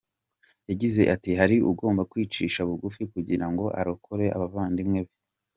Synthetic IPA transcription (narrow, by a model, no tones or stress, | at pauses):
jaɟize̞ʔatiɦaɾiʔṵɡo̞ːmbakwiːt͡ʃiːʃaβuɡufikuɟiɾaŋɡo̞ʔa̰ɾokʰoɾe̞ʔa̰βavaːndimŋe̞βe